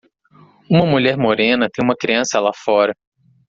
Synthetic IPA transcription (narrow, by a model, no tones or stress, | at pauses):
ũmɐmuʎɛɾmoɾẽnɐt̪ẽj̃ũmɐkɾiɐ̃sɐalafɔɾɐ